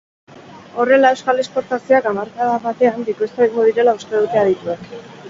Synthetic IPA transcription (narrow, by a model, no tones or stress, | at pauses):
o̞re̞lae̞wskale̞spo̞ɾt̪asioakamaɾkaðaβat̪e̞anbikuest̪aiŋɡoðiɾe̞laust̪e̞ðut̪e̞að̞it̪ue̞k